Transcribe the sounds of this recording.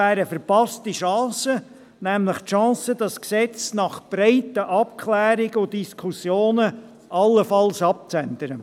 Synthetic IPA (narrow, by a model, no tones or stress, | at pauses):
æːɾəfəɾpɑstiʃɑ̃ːsə | nɛmləχtʃɑ̃ːsəd̥ɑsksɛt͡snɑχb̥ɾaɪtəʔɑpkʰlɛːɾɪɡəʊddiskʰusjoːnə | ʔɑlːəfɑlsɑp̚t͡sɛndəɾə